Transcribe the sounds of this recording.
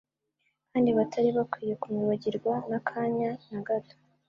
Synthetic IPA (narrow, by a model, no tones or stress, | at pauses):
kʰaːndiβatʰaɾiβakwiːje̞kumuβaɟiɾɡwanakʰaːɲanaɡato̥